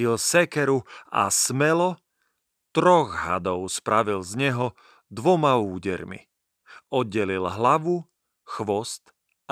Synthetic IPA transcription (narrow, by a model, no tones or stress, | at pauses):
ilsɛkɛɾua̰smɛlɔ | t̪ɾɔɣɦa̰d̪ɔʊspɾaʋilzɲɛɦɔ | d̪ʋɔmauːɟɛ̰ɾmḭ | ɔd̪̚ɟɛlilɦlaʋu | xʋɔst̪